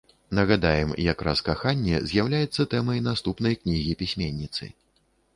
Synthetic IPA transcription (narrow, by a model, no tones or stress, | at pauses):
nɐɣad̪ajɛmjakɾa̰skaxanʲːɛ̰zʲjawlʲajɛt̪sːɐt̪ɛmɐjnast̪upn̪ɐjknʲiɣʲipʲisʲmʲenʲːit̪sɨ̰